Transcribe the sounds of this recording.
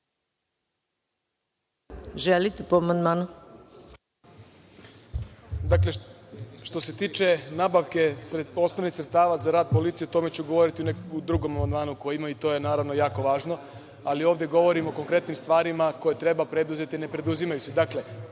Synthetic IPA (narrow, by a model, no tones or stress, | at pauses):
ʒelit̪epoamand̪maːnu | d̪akle̞ʃt̪o̞se̞t̪iːt͡ʃe̞nabaʋke̞o̞snoʋnixsɾet̪t̪aːʋazaɾaːd̪̚po̞lit̪sijeot̪o̞me̞t͡ɕuɡo̞ʋo̞ɾit̪iuneud̪ɾuɡo̞mamand̪maːnuko̞jimait̪o̞jenaːɾaʋno̞jaːko̞ʋaːʒno̞ | alio̞ːʋd̪je̞ɡo̞ʋo̞ɾimo̞ko̞ŋkɾe̞t̪nimst̪ʋaːɾimako̞je̞t̪ɾe̞bapɾe̞d̪uze̞t̪ine̞pɾe̞d̪uzimajused̪akle̞